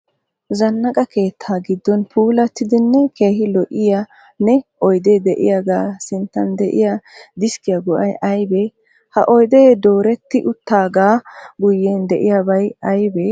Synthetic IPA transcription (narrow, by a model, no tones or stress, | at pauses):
zɐnːɐkʼɐke̞ːt̪ʰːaːɡɪd̪ːɔnpʰuːlɐt̪ːɪd̪ɪnːɛkʰe̞ːhɪlɔʔɪja | nɛʔɔjd̪ɛd̪ɛʔɪ̰jaɡaːsɪnt̪ːɐ̰nd̪ɛʔɪ̰jad̪ɪskɪjaɡɔʔɐjʔɐjbɛ | hɐ̰ʔɔjd̪ɛd̪o̞ːɾɛt̪ːɪʔʊt̪ːaːɡaːɡʊjːeːnd̪ɛʔɪjabɐjɐjbɛ